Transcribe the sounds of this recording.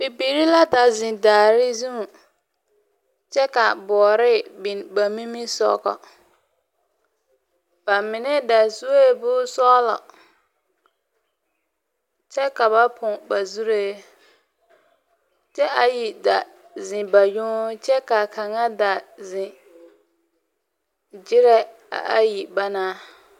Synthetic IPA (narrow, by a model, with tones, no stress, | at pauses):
bi˨bi˨ɾi˦la˦da˨zɪ̃˨daː˨ɾɪ˦zu˦˨ | t͡ʃɛ˦ka˨bɔː˨ɾɪ˦bi˨nba˨mi˦mi˦sɔ̰˦ɣɔ̰˨ | b̥a˨mɪ˨nɛ˦da˨su˦e˦˨bʊː˦sɔ˦lɔ̰˨ | t͡ʃɛ˦ka˨ba˦pʰʊ̃˨ba˨zu˦ɾe˦ | t͡ʃɛ˦a˨ji˨da˨ | zɪ̃˨ba˨jʊ̃˦t͡ʃɛ˦ka˨kʰa˨ŋa˦da˨zɪ̃˨ | d͡ʒɪ˦ɾɛ˦ | a̰˨ʔa˦ji˨ba˦naː˦